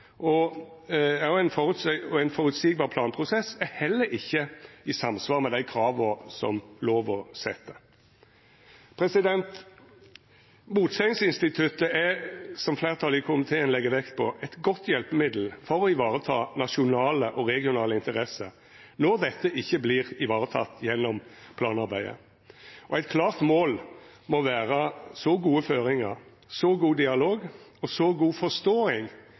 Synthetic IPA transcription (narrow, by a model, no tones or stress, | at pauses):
ʔɔ | æjʊæɪnfɔʁʉt̪sɔæɪnfɔɾʉt̪siːɡ̚bɑːʁpʰlɑːnpʰʁʊsɛsæhɛlːəɾɪçːəɪsɑmsʋɑːʁmɛd̪æɪkʰɾɑːʋɔsɔ̰mloːʋɔsɛt̪ːə | pʰɾɛsɪd̪ɛnt̪ | muːt̪sɛɪŋsɪnst̪ɪt̪ʰʉt̪əæsɔmflæːʁt̪ʰɑlɪkʰʊʊmɪt̪ʰeːənlɛɡːəʋɛkt̪̚pʰɔʔɛt̪ɡɔt̪ʰːjɛlpəmɪd̪l̩fɔɾɔɪʋɑːɾət̪ʰɑːnɑʃʊnɑːləʔɔɾɛɡɪʊnɑːləɪnt̪əʁɛsə | nɔʁd̪ɛt̪ːəʔɪçːəblɪːʁɪʋɑːʁət̪ʰɑ̰t̪ːjɛnːɔmpʰlɑːnɑɾbæɪə̰ | ɔæɪt̪̚kʰlɑːʁt̪moːlmɔʋæːʁəsɔɡuːəføːɾɪŋəʁ | sɔɡuːd̪ɪɑloːɡɔsɔɡuːfɔst̪oːɪŋ